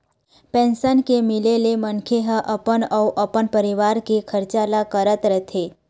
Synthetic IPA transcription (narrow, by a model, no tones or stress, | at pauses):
pɛ̃nsənkemɪlelemənkʰeɦə̃ʔəpənəuʔəpənpəɾiʋaɾkekʰəɾt͡ʃalakəɾət̪ɾət̪ʰe